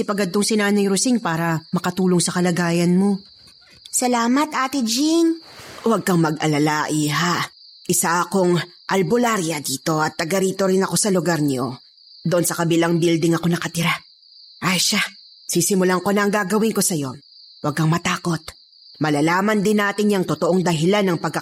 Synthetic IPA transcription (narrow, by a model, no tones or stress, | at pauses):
ɪpɐɡɐd̪̚t̪ːoŋsɪnaːnɐjɾʊsiŋpaːɾɐmɐkɐt̪uːloŋsɐkɐlɐɡaːjɐnmo̞ | sɐlaːmɐt̪ʔaːt̪ɪd͡ʒinwɐɡ̚kɐŋmɐɡʔɐlɐlaʔiɦa | ʔɪsaʔɐkoŋ | ʔɐlbolaɾjɐd̪iːt̪o̞ɐt̪ːɐɡɐɾiːt̪o̞ɾɪnɐko̞sɐlʊɡaɾɲo | d̪oʔonsɐkɐbɪlaŋbild̪ɪŋɐko̞nɐkɐt̪ɪɾa | ʔajʃa | sisɪmʊlaŋko̞nɐɐŋɡaɡɐwɪŋko̞sɐjo̞ | wɐɡ̚kɐŋmɐt̪aːko̞t̪̚ | mɐlalaːmɐnd̪ɪnːaːt̪ɪɲjɐŋt̪ot̪oʔoŋd̪ɐɦɪlanːɐŋpɐɡ̚kɐ